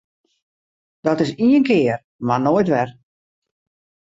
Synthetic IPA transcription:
d̥ɔtɪsiənkɪər | manoːjtʋɛr

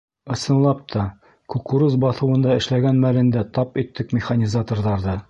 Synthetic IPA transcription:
ɤ̆sɤ̆nlˠɑp̚t̪ʰɑ | kukuɾɤzbɒθɤ̆wɤ̆nd̪ɑɘ̆ʃlæɡænmælɘ̆nd̪æt̪ɑpit̪ːɘkmʲɪχanʲizat̪ŏrðɑɾðɤ

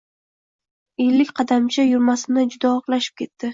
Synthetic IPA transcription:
elːɪkʲqʰɑd̪amt͡ʃʰajʊɾmasɪnɪd͡ʒʊd̪ɒɒqlˠaʃɪ̥p̚kʲʰe̞t̪ʰːɪ

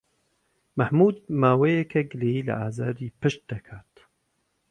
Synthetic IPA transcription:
mɐħmuːd̪maːwejekʰɐɡɨlejiːlɐ̰ʔaːzaːɾiːpɨʃt̪̚d̪̥ɐkʰaːt̪

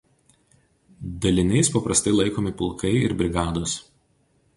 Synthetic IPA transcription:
d̪ɐlʲɪnʲɛɪspɐpɾɐst̪ɐɪlˠɐɪkoːmʲɪpʊlˠˑkɐɪɪ̰ɾbʲɾʲɪɡɑːd̪os

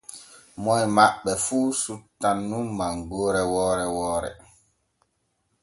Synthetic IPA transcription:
mɔjmaɓɛfuːsutːanːumːaŋɡoːɾɛwɔːɾɛwɔːɾɛ̰

